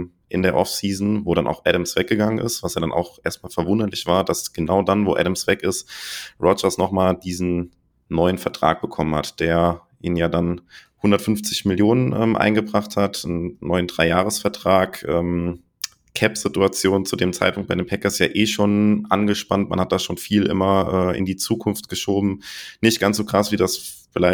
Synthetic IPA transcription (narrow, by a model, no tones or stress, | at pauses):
ʔɪndeːɐʔɔfsiːzn̩voːɾanʔa̰ʊxʔɛɾəmsv̥ɛk̚ɡ̥əɡaŋənʔɪ̰stv̥asjaːdanʔa̰ʊxʔeːɐst̚maːlfɛɐvʊndɐlɪçv̥aːɐdasɡ̥ənaʊdanvo̰ːʔɛ̰ɾəmsv̥ɛkɪstʁɔd͡ʒɐsnɔχmaːldiːzn̩ | nɔʏənfɛɐtʁ̥a̰ːk̚b̥əkʰɔmənha̰td̥eːɐ | ʔiːnənjaːdanhʊndɐtfʏnft͡sɪçmɪljoːnənʔɛ̰ːmʔa̰ɪnɡəbʁaχthatn̩nɔʏəndʁaɪjaːʁ̞əsfɛɐtʁ̥aːkʔɛːm | kʰɛpz̥ɪtuat͡sjoːnt͡sudeːmt͡sa̰ɪt̚pʰʊŋt̚b̥aɪdeːnmpʰɛkɐsjaːʔeːʃoːnʔanɡəʃpantma̰nhat̚d̥aːʃoːnfiːlʔɪ̰mɐʔɛːʔɪ̰ndiːt͡suːkʰʊnftɡ̥əʃoːbm̩nɪçt̚ɡ̥ansz̥oːkʁ̥asv̥iːdasfɪlaɪ